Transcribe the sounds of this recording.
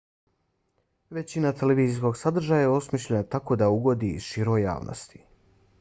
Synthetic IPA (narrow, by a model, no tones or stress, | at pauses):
ʋe̞t͡ɕinat̪e̞leʋiːzis̬ko̞ɡsad̪r̩ʒajajeo̞smiʃʎʲenat̪ako̞d̪auɡo̞d̪ḭːzʃiɾo̞ja̰ːʋnʔo̰st̪i̥